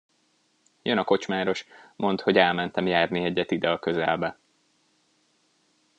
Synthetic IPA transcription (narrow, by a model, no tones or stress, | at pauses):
jønɒko̞t͡ʃmaːɾo̞ʃmʔo̞nt̪ho̞ɟɛlmɛnt̪ɛmjaːrniɛɟːɛt̪id̪ɛɒkø̞zɛ̰lbɛ